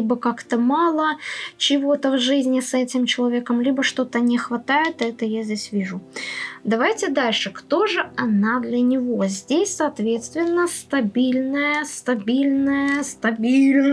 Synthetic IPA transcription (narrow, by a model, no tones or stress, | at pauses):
ibəkakt̪əmɑlˠət͡ɕɪvo̞t̪əvʐɨzʲnʲɪsɛtʲɪmt͡ɕɪlˠɐvʲe̞kəmlʲibəʂt̪o̞t̪ənʲɪxvɐt̪ajɪt̪ɨɛt̪əjazʲdʲesʲvʲiʐʊd̪ɐvajtʲɪd̪alʲʂɨkt̪o̞ʐɨɐnad̪lʲənʲɪvo̞zʲdʲesʲsɐːt̪vʲe̞t̪st̪vʲɪnːəst̪ɐbʲilʲnəjəst̪ɐbʲilʲnəjəst̪ɐbʲilʲn